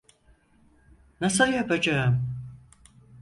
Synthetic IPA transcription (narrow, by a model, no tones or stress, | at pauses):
nasɯljapʰad͡ʒaɯm